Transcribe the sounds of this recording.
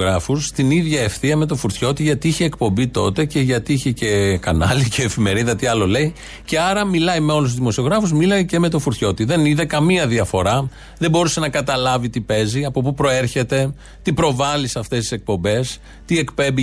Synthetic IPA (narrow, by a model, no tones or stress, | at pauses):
ɣɾɐfust̪iniðʝɐefθiɐme̞t̪o̞fuɾt̪ço̞t̪iʝɐt̪iiçe̞ːkpo̞mbit̪o̞̰t̪e̞ce̞ʝɐt̪iiçe̞ce̞kɐnɐlicʰeːfime̞ɾiðɐt̪iɐlo̞le̞j | ce̞ɐɾɐmilɐjme̞o̞lus̬uzðimo̞sio̞ɣɾɐfuzmilɐjce̞me̞t̪o̞fuɾθço̞t̪iðe̞niðekɐmiɐðiɐfo̞ɾɐ | ðebo̞ɾusenɐkɐt̪ɐlɐvit̪ipe̞ziɐpo̞pupɾo̞e̞ɾçe̞t̪e̞ | t̪ipɾo̞vɐlisɐft̪est̪i̥sek̚po̞mbe̞s | t̪ie̞kpe̞mbi